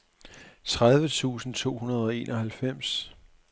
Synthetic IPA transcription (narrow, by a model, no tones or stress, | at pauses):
t͡sʰʁaðˠʋət͡sʰṵːsn̩t͡sʰo̝̰ːhunɐð̞ˠɒ̽e̝ːnʔɒ̽hælfem̰s